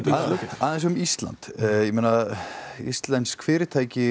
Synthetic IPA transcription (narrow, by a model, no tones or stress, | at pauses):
aðɛ̃ns̬ɔʏmist̪la̰nt̪jɛmeːna | ḭst̪lɛnt̪skʰfɪːɾɪt̪ʰaːjcɪ